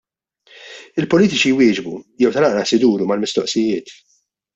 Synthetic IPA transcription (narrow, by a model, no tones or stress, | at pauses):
ɪlpɔliːt̪ɪt͡ʃijwɪːd͡ʒbujɛwt̪ɐlɐʔɾɐsɪd̪uːɾumɐlmɪst̪ɔʔsɪjɪːt̪